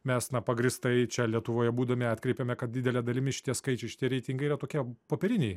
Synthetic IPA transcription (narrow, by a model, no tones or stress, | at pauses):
mʲɛsnɐpɐɡɾʲɪst̪ɐɪt͡ʃʲɛlʲiɛt̪ʊʋoːjɛbuːd̪ɐmʲɛɑt̪ʲkɾʲɛɪpʲɛmʲɛkɐt̪̚dʲɪd̪ʲɛlʲɛd̪ɐlʲɪmʲɪʃʲɪ̥t̪ʲiɛskɐɪt͡ʃʲɛɪʃʲɪt̪ʲiɛɾʲɛɪt̪ʲɪŋɡɐɪiːɾɐt̪oːkʲiɛpoːpʲɛɾʲɪnʲeɪ